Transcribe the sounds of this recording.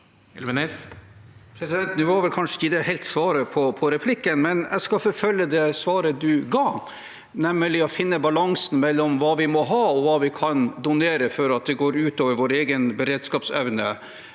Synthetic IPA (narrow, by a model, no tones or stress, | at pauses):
ɛ̰lʋɛnes | pʰɾɛsɪd̪ɛnt̪nʉːhɑɾʋɛlkʰɑnʂəɪçəd̪ɛhɛɪlt̪sʋɑːɾəpʰɔpʰɔɾɛpʰlɪkːənmɛnæ̰skɑfɔfœlːəd̪ɛsʋɑːɾəd̪ʉɡɑː | nɛmːəlɪɔfɪnːəbɑlɑŋsn̩mɛlːɔmʋɑːʋɪmɔɦɑːɔʋɑːʋɪkʰɑnd̪ʊneːɾəfɔɾɑt̪̚d̪ɛɡoːɾʉːt̪oːʋəɾʋoːɾeːɡənbəɾeːd̪skɑːpsɛʋnə